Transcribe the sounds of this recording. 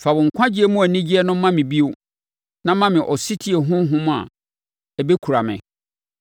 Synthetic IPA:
fa˨bʊ̃˨ŋ̩˨kʷʰã˦d͡ʑi˦e˦mʊ̃˦æ˨nĩ˦d͡ʑi˦ɛ˦nʊ̃ː˦ã˦mɪ̃˨bi˦o˦ | nã˦mã˦mɪ̃˨ʔɔ˨si˦tʰi˦e˨ɦʊ̃˦ɦʊ̃˦mʊ̃˦a̰˨ | ɛ˨be˦kʰu˨ɾa˨mɪ̰̃˨

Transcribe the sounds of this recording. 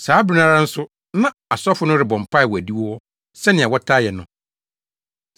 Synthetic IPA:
saː˨˦bɾi˨˦nã˦ɾã˦n̩˦sʊ˦ | nã˦a˨sɔ˦fʊ˦nʊ̃˦ɾɪ˨bɔ̃˨m̩˨pʰa˦˨wɔ˨æ˨di˦wɔ˦wɔ˦ | sɛ˦nɪ̃˨a˨wɔ˦tʰa˦jɛ˨nʊ̃˨

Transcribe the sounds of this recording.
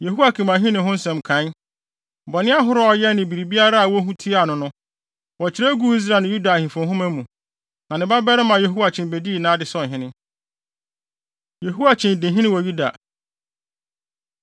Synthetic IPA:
je˨ɦu˦a˦kʰĩ˨mã˨ɦĩ˦nɪ̃˨ɦʊ̃˦n̩˦sɛ̃˨mkʰã˨˦n˦ | bɔ˨nɪ̃˦a˦ɦʊ˦ɾʊ˦ɔ˨jɛ˦nɪ̃˨bi˨ɾi˨bi˦a˦ɾa˦a˨wɔ˦ɦũ˦tʰi˦a˨nʊ̃˦nʊ̃˦ | wɔ˨t͡ɕʰɪ˨ɾe˦ɡu˦i˦s̬ɾa˨nʊ̃˨ju˦da˨hĩ˨fʊ̃˨ɦʊ̃˦mæ˦mũ˨ | nã˨nɪ̃˨ba˦bɛ˦ɾɪ˦mã˨je˨ɦu˦wa˨t͡ɕʰɪ̃˨n˨be˨di˦i˨nãː˦dɪ˨sɔ˦˨n˨ɦɪ̃˦nɪ̃˦ | je˨ɦu˦wa˨t͡ɕʰɪ̃˨n˨dɪ̃˨ɦĩ˦nɪ̃˦wɔ˨ju˦da̰˨

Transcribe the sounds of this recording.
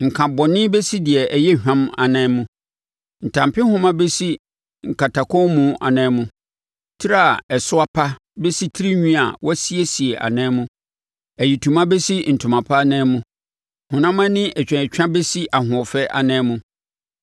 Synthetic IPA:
ŋ̩˨kʰã˨bɔ˨nɪ̃˦be˦si˦dɪ˨ɛ˨ʔɛ˨jɛ˦hᶣã˦ma̰˨nɛ̃ː˦mũ˦ | n̩˨tʰã˨mpʰɪ˦hʊ̃˦mã˦be˦si˦ | ŋ̩˨ka˨tʰa˨kʰɔ̃˦mũ˨˦ʔa̰˨nɛ̃ː˨˦mũ˦ | tʰɪ˦ɾa˦˨ɛ˨sʊ˦a˦pʰa˦ | be˦si˦tʰɪ˦ɾi˦ɲᶣĩ˦a̰˨wɔ˦si˦e˦si˨e˨ʔa̰˨nɛ̃ː˦mũ˦ | æ˨ji˨tʰu˨mã˦be˦si˦n̩˨tʰʊ̃˨mã˨pʰa˦nɛ̃ː˦mũ˦ | hʊ̃˨nã˦mã˦nɪ̃˦ʔɛ˨t͡ɕᶣɛ̃˨t͡ɕᶣã˦be˦si˦ʔa˨hʊ̃˨ɔ˨fɛ˦ʔa̰˨nɛ̃ː˦mũ˦

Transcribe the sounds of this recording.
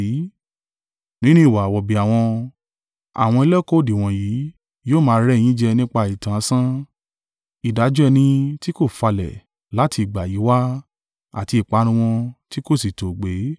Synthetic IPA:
nĩ˦nũ˦i˨wa˨wɔ˨bi˨a˨w̃ɔ̃˧ | a̰˨w̃ɔ̃˧e˧lɛ˦ko˦˨di˨w̃ɔ̃˨ji˨˦ | joː˦˨mãː˧˦ɾɛ˦˨j̃ĩ˦d͡ʒɛ˧nĩ˦k͡pa˧i˨tã˨˦sã˦ | i˨da˨˦d͡ʒɛ˦˧nĩ˧ti˦ko˦˨fa˧lɛ̰˨ | la˨˦ti˧i˨ɡ͡ba˨ji˨˦wa˦ | a̰˦˨ti˧i˨k͡pa˨˦ɾ̃ũ˦w̃ɔ̃˧ti˦ko˦˨si˨to˨ɡ͡be˨˦

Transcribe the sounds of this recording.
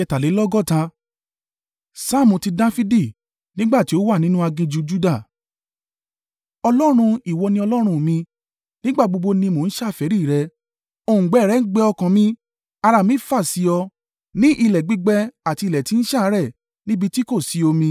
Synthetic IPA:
ɛ˧ta˨le˨˦lɔ˦ɡɔ˦˨tã˧ | sa˦˨mũ˨ti˧dã˦fi˦di˦˨ | nĩ˦ɡ͡ba˦˨ti˨˦o˦wa˦˨nĩ˦nũ˦a˧ɡĩ˧d͡ʒu˨˧d͡ʒu˦da˦˨ | ɔ˧lɔ˦ɾ̃ũ˧i˨wɔ˧nĩ˧˦ɔ˧lɔ˦ɾ̃ũ˧˨mĩ˧ | nĩ˦ɡ͡ba˦˨ɡ͡bo˧ɡ͡bo˧nĩ˧mo˨n̩˦ʃa˦˨fɛ˨˦ɾi˦˨ɾɛ˧ | o˦˨ũ˨ɡ͡bɛ˨˦˨ɾɛ˨˦ɡ͡bɛ˧ɔ˧kã˨mĩ˧ | a˧ɾa˨mĩ˦fa˦˨si˨˧ɔ˧ | nĩ˦ʔi˧˨lɛ˨ɡ͡bi˦ɡ͡bɛ˧a˨ti˧i˧˨lɛ˨ti˨˦n̩˦ʃa˦˨˦ɾɛ˦˨ | nĩ˦bi˧ti˦ko˦˨si˨˦o˧mĩ˧

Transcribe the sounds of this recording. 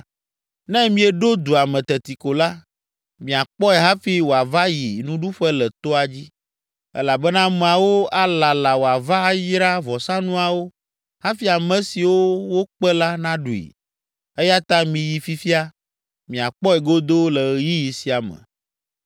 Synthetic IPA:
nɛ̃˦mĩ˦ɛ˨ɖo˦d̪u˨a˨mɛ̃˨t̪ɛ˨t̪i˨ko˨la˦ | mĩ˨a˨k͡pɔ˦ɛ˨ɦa˦fi˦wo˨a˨va˦ji˨nũ˦ɖu˦ɸɛ˦lɛ˨t̪o˦a˨d͡ʑi˦ | ɛ̰˦la˨bɛ˦nã˦mɛ̃˨a˨wo˦a˦la˨la˨wo˨a˨va˦jɾa˦vɔ˨sã˦nũ˦a˨wo˦ | ha˦fi˦a˨mɛ̃˦si˨wo˦wo˦k͡pɛ˦la˦nã˦ɖu˨ḭ˨ | ɛ˦ja˦t̪a˦mĩ˨ji˨fi˦fi˦a˦ | mĩ˨a˨k͡pɔ˦ɛ˨ɡo˦d̪o˦lɛ˨ji˦ji˨si˨a˨mɛ̰̃˨

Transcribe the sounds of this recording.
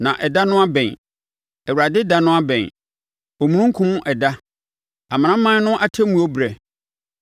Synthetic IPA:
nã̰˨ʔɛ˨da˦nʊ̃˦a˦bɛ̃˨n | ɛ˨wu˨ɾa˨dɪ˦da˦nʊ̃˦a˦bɛ̃˨n | o˨mũ˨nũ˦ŋ˦kʰũ˦m̃˦ʔɛ˨da˦ | a˨mã˨ã˦mã˦nʊ̃˦ʔa˦tʰɛ˦mũ˨˦o˦bɾɛ˨

